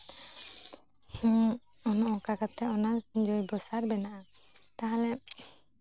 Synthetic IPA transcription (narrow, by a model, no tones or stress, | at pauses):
hũ | ɔnɔʔɔkakat̪ɛʔɔnad͡ʒɔjbɔsaɾbɛnaʔat̪aɦalɛ